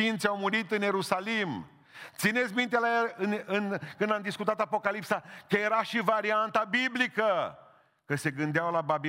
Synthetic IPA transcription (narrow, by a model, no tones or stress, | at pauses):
int̪sʲawmuɾit̪ɨnje̞ɾusalim | t̪sinet̪sʲmint̪elajelɨnɨnkɨnd̪amd̪iskut̪at̪apo̞kalipsakəje̞ɾaʃivaɾiant̪abiblikə | kəse̞ɡɨnd̪eawlababi